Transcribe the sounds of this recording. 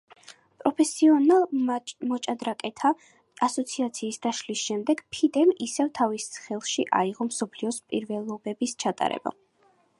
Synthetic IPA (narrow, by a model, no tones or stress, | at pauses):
pʼɾɔpʰɛsiɔnalˠmɔt͡ʃʼad̪ɾakʼɛt̪ʰa | asɔt̪sʰiat̪sʰiːsd̪aʃlisʃɛmd̪ɛɡ̥pʰid̪ɛmisɛvt̪ʰavissχɛlˠʃiʔa̰iʁɔmsɔpʰliɔspʼḭɾvɛlˠɔbɛbist͡ʃʰat̪ʼa̰ɾɛ̰b̥a̰